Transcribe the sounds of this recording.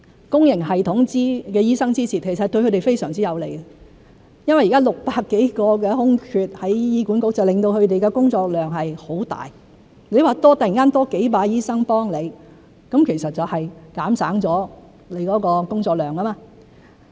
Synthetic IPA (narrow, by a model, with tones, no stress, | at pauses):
kʊ˥ŋjɪ˨˩ŋɦɐ˨jt̪ʰʊ˨˥ŋt͡siː˥kɛː˧jiː˥sɐ˥ŋt͡siː˥t͡sʰiː˨t̚kʰe˨˩sɐ˨t̚t̪ɵ˧kʰhɵ˧ɾe˨˩jfe˥jsœː˨˩ŋt͡siː˥jɐ˨˧wle˨˩j | jɐ˥nwɐ˨jiː˨kaː˥lʊ˨k̚paː˧kːe˨˥jkɔː˧kɛː˧ɦʊ˥ŋkʰyː˧t̚hɐ˨˥jjiː˥kuː˨˥nkʊ˧˥k̚t͡sɐ˨wlɪ˨ŋt̪o˧whɵ˨˧ɥt̪e˨jkɛː˧kʊ˥ŋt͡sɔː˧k̚lœː˨ŋɦɐ˨jho˨˥wt̪a̰ː˨˩j | ne˨˧jwaː˨˧t̪ɔː˥t̪ɐ˨jŋkaː˥nt̪ɔː˥ke˨˥jpaː˧jiː˥sɐ˥ŋpɔː˥ŋle˨˧j | kɐ˨˧˥mkʰe˨˩jsɐ˨t̚t͡sɐ˨whɐ˨jkaː˨˥msaː˨˥ŋt͡sɔː˨˥ | le˨˧˥jkɔː˨˥kɔː˧kʊ˥ŋt͡sɔː˧k̚lœː˨˩ŋkɐ˥maː˧